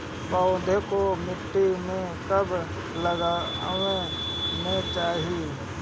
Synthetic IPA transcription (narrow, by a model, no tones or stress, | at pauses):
baod̪ʱekomɪʈːimẽkəbʱ | ləɡawenẽt͡ʃaːɦi